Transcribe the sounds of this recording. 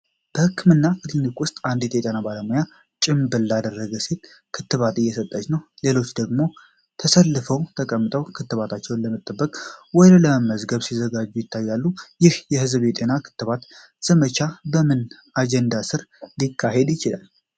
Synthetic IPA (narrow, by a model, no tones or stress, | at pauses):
b̥əhɨkːɨmɨnːakʰɨt̪ɨnːɨkʼwʊst̪ʼand̪et̪ʰɛt̪ʼənabaləmoja | t͡ʃʼɪmbɨlːad̪ərːəɡəse̞t̪ | kʰɨt̪ːɨβat̪ɨjːɛsət̪ʼːət͡ʃnəwle̞lo̞t͡ʃːd̪əɡmo̞ | t̪ʰəsəlːɨfəwt̪ʰəkʼəmːɨt̪ʼəwkʰɨt̪ːɨβat̪ʰat͡ʃːɛwnləmət̪ʼːəbːəkʼwɔd̪ələməzɡəβsizəɡad͡ʒːujɪt̪ʰːajːalːujɪhjɛhɨzbet̪ʼenakʰɨ̥t̪ːɨβat̪ | z̥əmət͡ʃabəmɨn | ad͡ʒɛnd̪asɨɾlikʰːaɦed̪jɪt͡ʃɪla̰l